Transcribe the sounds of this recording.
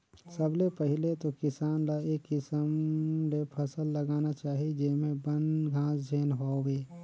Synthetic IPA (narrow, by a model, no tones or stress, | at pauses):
səblepəɦɪlet̪okɪsaːnlaeːkːɪsəmlepʰəsəlːəɡaːnat͡ʃaːɦid͡ʒeːmẽbənɡʱãːsd͡ʒʱeːnɦoːɡeː